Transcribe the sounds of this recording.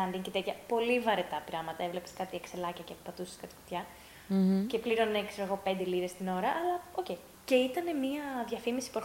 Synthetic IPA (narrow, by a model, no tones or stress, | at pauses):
ɐnd̪iŋcet̪et̪çɐpo̞livɐɾet̪ɐpɾɐmɐt̪ɐevle̞pe̥skɐt̪iekselɐcɐcepɐt̪use̥skɐt̪i̥ko̥t̪çɐ | ce̞pliɾo̞nekseoeɣo̞pe̞nd̪eliɾest̪ino̞ɾɐʔːlɐo̞ce̞i | ce̞it̪ɐne̞miɐðʝɐfimisi̥puɐɾ